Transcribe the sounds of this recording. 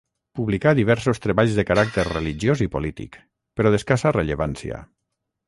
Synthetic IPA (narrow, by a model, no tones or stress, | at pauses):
puβlikaðiβ̞ɛɾsost̪ɾeβaʎzðəkaɾak̚t̪eɾreliʒjozipolit̪ḭk | peɾɔðeskasareʎeβansja̰